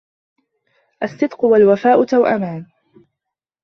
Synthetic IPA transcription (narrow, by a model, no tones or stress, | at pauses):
ʔasːɨd̪qʊwalwafaːʔʊt̪awʔa̰maːn